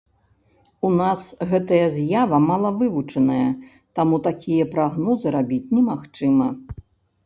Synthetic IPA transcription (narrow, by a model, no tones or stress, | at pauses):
unasɣɛt̪ɐjɐzʲjavɐmalˠɐvɨvut͡ʂɐnɐjɐ | t̪amut̪akʲʰijɐpɾaɣnɔzɨɾabʲit͡sʲnʲɛmaxt͡ʂɨmɐ